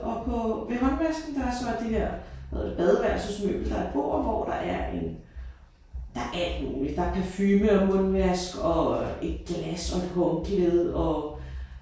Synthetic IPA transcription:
ʔɒ̽pʰɒ̽ʋe̝mɔ̽nʋæsɡ̥n̩d̥ɑ̈æɐsɒ̽d̥iheɐ̰heð̰ˠɐ̰de̝b̥ɛðˠəʋæɐ̰sosmø̰ːb̥l̩d̥ɑ̈ɐb̥o̝̰ːɐʋɒ̰ːd̥ɑ̈ʔæɐe̝n | d̥ɑ̈ʔæl̰d̥mṵːli̥d̥ɑ̈kʰæfyːməɒmɔ̽nʋæsɡ̥ɒ̽e̝d̥̚ɡ̥læsɒ̽e̝d̥ɦɔ̽ŋkleðˠɒ̽

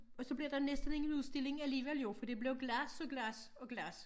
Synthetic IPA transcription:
ɒ̽sɒ̽b̥liɐd̥ɑ̈nesd̥ən̩e̝ŋn̩uðˠsd̥e̝le̝ŋæliːʋel̰jo̝fɒd̥e̝b̥le̝ʊɡ̥læsɒ̽ɡ̥læs | ɒ̽ɡ̥læs

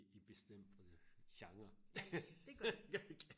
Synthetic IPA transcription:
ib̥e̝sd̥em̰d̥fɒd̥eɕɑ̈ŋɐ | ɡ̥ɡ̥

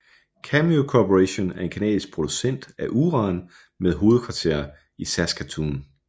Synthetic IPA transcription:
kʰæmiokʰopʰoʁæɕo̝næɐe̝nkʰenɛ̰ːðˠisɡ̥̚pʰʁo̝d̥usen̰d̥æʔuːʁɑ̈n | meðˠɦo̝ːð̞̩ˠkʰʋɑ̈t͡sʰe̝̰ːɐ | isæsɡ̥æt͡sʰuːn

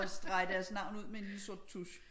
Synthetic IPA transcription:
sd̥ʁɑ̈ɪd̥æɐsnɑ̈ʊ̰nuð̰ˠmeenlil̩sod̥̚t͡sʰuɕ

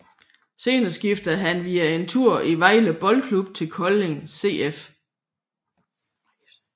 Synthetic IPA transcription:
se̝̰ːnɐsɡ̥ifd̥ɐɦænʋiːæe̝nt͡sʰuɐ̰ʔiʋɑ̈ɪ̰ləb̥ɒ̽lkʰlub̥̚t͡sʰe̝lkʰɒ̽le̝ŋse̝̰ːef

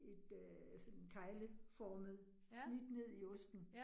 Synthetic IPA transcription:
e̝d̥øsɔnkʰɑ̈ɪləfɒːməð̞̩ˠ | slid̥ne̝ð̰ˠiɔ̽sd̥n̩

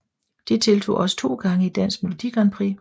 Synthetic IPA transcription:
d̥it͡sʰe̝lt͡sʰo̝̰ːʔɒ̽sə̥t͡sʰo̝̰ːɡ̥ɑ̈ŋəid̥æn̰sɡ̥melo̝d̥iɡ̥ʁɐnpʰʁḭ

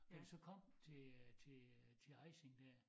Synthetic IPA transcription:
ænsɒ̽kʰɒ̽m̰t͡sʰe̝t͡sʰe̝t͡sʰe̝ɑ̈ɪseŋd̥æɐ̰

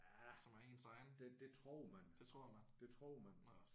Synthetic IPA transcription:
æsɒ̽mæɐe̝̰ːnsɑ̈ɪn̩d̥ed̥e̝t͡sʰʁoɐmænd̥et͡sʰʁoɐ̰mænd̥e̝t͡sʰʁo̝ːmæn

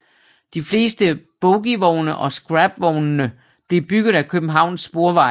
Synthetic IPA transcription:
d̥ifle̝̰ːsd̥əb̥ɔʊɡ̥iʋɒʊnəʔɒ̽sɡ̥ʁab̥ʋɒʊnːə | b̥le̝b̥yɡ̥ð̞̩ˠækʰøb̥m̩ɦɑ̈ʊ̰nsːb̥o̝ːɐʋɑ̈ɪ

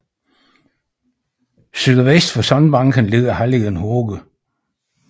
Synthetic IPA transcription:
syːðˠɐʋesd̥fɒsɒ̽nb̥ɑ̈ŋɡʰənle̝ðˠɐhæliɡənhoːɡ̥ə

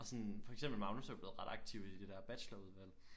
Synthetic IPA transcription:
ɒ̽sɒ̽nfɒ̽eɡ̥semb̥l̩mɑ̈ʊnosɒb̥le̝ð̩ˠʁɑ̈ɾ̥ɑ̈ɡ̥̚t͡sʰiʊ̰id̥e̝̥æɐb̥æɕlɐuð̞ˠʋæl̰

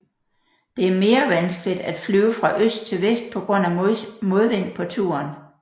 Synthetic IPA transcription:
d̥e̝æɐme̝ːɐʋænsɡ̥lid̥æd̥flyʊfʁɑ̈ʔøsd̥̚t͡sʰe̝lʋesd̥̚pʰɒ̽ɡ̥ʁɔ̽n̰æmo̝ðˠʋen̰pʰɒ̽t͡sʰṵːɐn

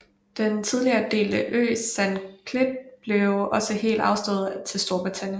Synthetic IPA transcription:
d̥ent͡sʰið̞ˠliɐːd̥e̝̰ːlæʔø̰ːsænkʰleb̥̚b̥le̝ʊɒ̽səɦe̝̰ːld̥ɑ̈ʊsd̥ɔ̰ːð̩ˠt͡sʰe̝lsd̥o̝ɐb̥ʁit͡sʰæn̰jən

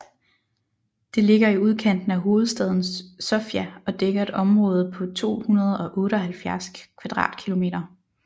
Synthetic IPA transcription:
d̥e̝le̝ɡ̥ɐiuð̞ˠkʰæn̰d̥n̩æɦo̝ːð̩ˠsd̥ɛð̞ˠn̩sːɔ̽fjæɒ̽d̥eɡ̥ɐe̝d̥ɒ̽mʁɔ̽ːð̞̩ˠpʰɒ̽t͡sʰo̝̰ːhunɐð̞̩ˠɒ̽ʔɔ̽ːɾəɒhælfjæɐskʰʋæd̥ʁɑ̰̈ːd̥kʰilo̝me̝̰ːɾ̥ɐ

